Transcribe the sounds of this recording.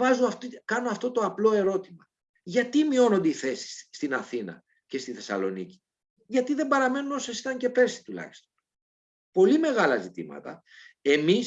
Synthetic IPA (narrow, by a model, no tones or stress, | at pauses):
vɐzuɐft̪kɐnoɐft̪o̞t̪o̞ɐplo̞e̞ɾo̞t̪imɐ | ʝɐt̪imio̞no̞nd̪eiθe̞si̥sːt̪inɐθinɐ̰ | ce̞st̪iθe̞sɐ̰lo̞̰nḭci̥ | ʝɐt̪iðe̞mbɐɾɐme̞nuno̞sɐsi̥t̪ɐɲce̞pe̞ɾsi̥t̪ulɐ̰çi̥st̪o̞n | po̞lime̞ɣɐlɐzit̪ḭmɐ̰t̪ɐ̰ | e̞mis